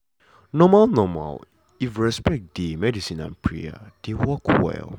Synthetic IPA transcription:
nɔmalnɔma̰l | ifɹɛspɛk̚d̥emɛdisĩnã̰npʰɹḭa̰d̥ewɔkʰwɛ̰lˠ

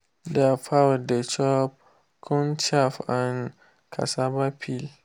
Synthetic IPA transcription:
deafawdet͡ʃɔp̚ | kʰũnt͡ʃafãn | kʰa̰sabapʰil

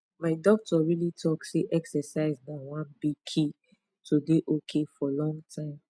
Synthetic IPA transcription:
maɪdɔk̚tʰɔɹilitʰɔkseʔɛksɛsaɪzdawãnbiɡ̚kʰi | tʰudeʔokʰefɔlɔ̃ŋɡtʰãɪ̃m

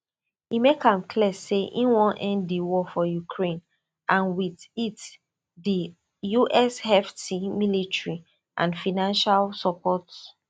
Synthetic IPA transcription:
himekãmkʰliɛseʔĩnwɔ̃nʔɛ̃ndiwɔfɔjukʰɹẽn | ʔãnwiðit | di | juʔɛshɛftimilitɹi | ʔã̰nfanãnʃalsɔpʰɔt

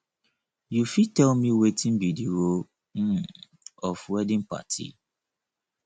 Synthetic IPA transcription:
jufitɛlmiwetʰĩnbidiɾo | m̩ | ɔfwɛdĩnpa̰tʰḭ

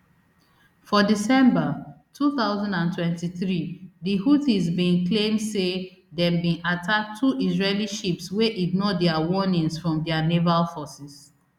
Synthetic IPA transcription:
fɔdisɛ̃mba | tʰuθaʊzãndãntwɛ̃ntiθɹidihuθizbĩnklẽmdse | dɛ̃mbĩnatʰak̚tʰːuʔizɹeliʃipsweʔiɡ̚nɔdɛawɔnĩŋsfɹɔ̃mdɛanevalfɔsis

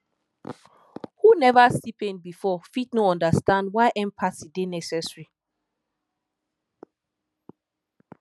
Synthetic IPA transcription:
hunɛvasipẽnbifɔfitnoɔ̃ndəstãndwaɪʔɛ̃mpʰasidenɛsɛsɹi

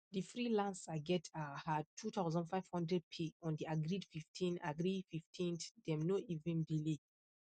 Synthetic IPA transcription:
difɹilãnsaɡɛtʰahad̚tʰːutʰaʊzɔ̃ndfajv̥hɔ̃ndɹɛd̚pʰeɔ̃ndiaɡɹidfiftʰĩna̰ɡɹififtʰĩntdɛ̃mnoivɛ̃ndile

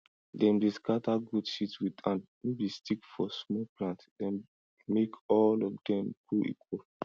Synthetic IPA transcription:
dɛ̃mbiskataɡudʃitswidãn | mebistikfɔsmɔplãntd̥ɛ̃n | mekɔlɔfdɛ̃mɡ̥uḭkʰwɔl

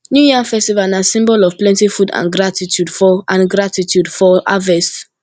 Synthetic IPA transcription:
njujiafɛstivanasĩmbɔlɔv̥plɛ̃ntifudã̰nɡɹatitʰjudfɔʔãnɡɹatitʰjudfɔʔa̰vɛst

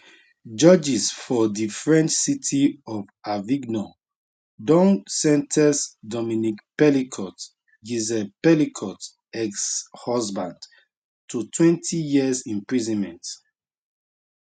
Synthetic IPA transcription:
d͡ʒɔd͡ʒisfɔdifɹɛ̃nt͡ʃsitʰiɔvaviɡnɔ | dɔ̃nsɛ̃ntʰɛsdɔminikpɛlikʰɔt | ɡizɛpɛlikʰɔt | ɛkshɔzbãnd | tʰutʰwɛ̃ntʰijiəzĩmpɹizɔ̃nmɛ̃nt

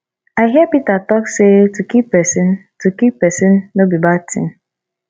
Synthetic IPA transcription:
aɪɦipitatɔksetukippɛsĩntukip̚pɛsĩnːobibatʰḭ̃n

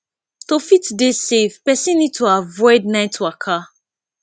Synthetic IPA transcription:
tofitdesevpɛsĩnːid̚tʰoavɔɪdnaɪtʰːoakʰa

